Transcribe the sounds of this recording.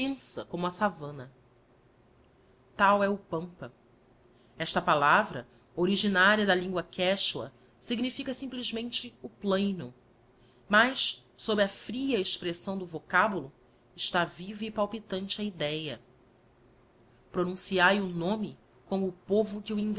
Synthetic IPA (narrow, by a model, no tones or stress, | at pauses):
ẽsɐkõmʊɐsavɐ̃nɐ | t̪awɛʊpɐ̃mpɐ | ɛʃt̪ɐpalavɾɐ̰ | oɾiʒinaɾiɐd̪ɐlĩŋɡwɐkʰɛʃuɐ̰ | siɡnifikɐsĩplizmẽnt͡ʃɪʊplẽjnʊ | mɐjssobɾɪɐfɾiɐeʃpɾesɐ̃w̃d̪ʊvokabulʊ | ɪʃt̪avivɐipawpit̪ɐ̃nt͡ʃɪɐid̪ɛjɐ | pɾonũsiajʊnõmɪ | kõmʊːpovʊkɪuĩv